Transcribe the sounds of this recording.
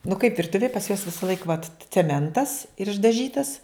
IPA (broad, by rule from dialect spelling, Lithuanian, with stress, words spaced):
nʊ kɐɪp ʋʲɪrˈtʊʋʲeːj pɐs juɔs ʋʲɪsɐˈlˠɐɪk ʋɐt t͡sʲɛˈmʲɛntɐs ɪr ɪʒdɐˈʒʲiːtɐs